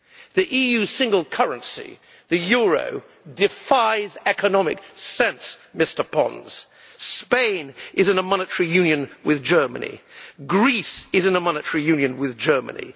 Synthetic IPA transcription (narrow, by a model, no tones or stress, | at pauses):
ðiʔijʉsɪ̃ŋɡəlˠkʰʌɹɨ̃nsḭ | ðɨjʊɹo̰ʊ | dɨfaɪzɛkənɑmɪ̰ksɛ̃nsmɪstə˞pʰɑ̰̃nz̥ | spẽɪ̃nʔɨzɨ̃nəmɑnɨtəɹijʉ̃njɨ̃nwɨðd͡ʒɜ˞mɨ̰nḭɡɹisɨzɨ̃nəmɑnɨtəɹijʉ̃njɨ̃nwɪðd͡ʒɜ˞mɨ̰̃nḭ